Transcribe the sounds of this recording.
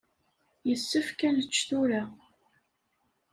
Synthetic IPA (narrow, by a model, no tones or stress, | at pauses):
jəsːəfkænət͡ʃːθuɾa